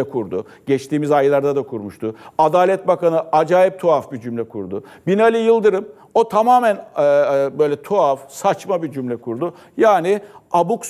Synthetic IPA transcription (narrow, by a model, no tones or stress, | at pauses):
ɛkʰuɾd̪ʊ | ɟ̥ɛt͡ʃt̪iːmizajlˠaɾd̪ad̪akʰuɾmuʃt̪ʊad̪aːlʲɛt̪̚bakanɯad͡ʒaːjip̚t̪ʰuafbid͡ʒymlʲɛkʰuɾd̪ʊbinalʲɯjɯlˠd̪ɯɾɯm | o̞t̪ʰamaːmæn | bø̞jlʲɛt̪ʰuafsat͡ʃmabid͡ʒymlʲɛkʰuɾd̪ʊ | jaːnɪabuks